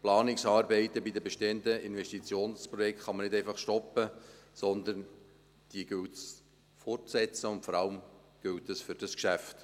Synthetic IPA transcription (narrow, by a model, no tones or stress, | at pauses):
plɑːnɪksɑːɾbɛɪt̪əbid̪əbɛʃteːəntəɪnvɛʃtit͡sjoːnspɾɔjɛktχɑmənɪdɛɪfɑχʃtɔpːəsɔnd̪ən | d̥iəɡ̥ɵltt͡s | fɔrtt͡ssɛt͡səʊntfɔɾɑlm | ɡ̥ɪltːəsfʏɾd̥ɑskʃæft